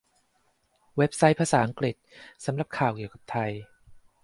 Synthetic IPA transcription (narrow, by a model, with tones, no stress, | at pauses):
we˦˥p̚sa˦˥jpʰaː˧saː˩˦ʔa˧ŋkɾi˨˩t̪̚sa˩˦mɾa˨˩p̚kʰaː˨˩wki˨˩əwka˨˩p̚t̪ʰa˧j